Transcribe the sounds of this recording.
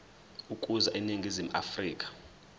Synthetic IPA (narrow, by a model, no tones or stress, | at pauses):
ukʼuzaʔiniŋɡʱizimuʔa̰friːk̬ʼḁ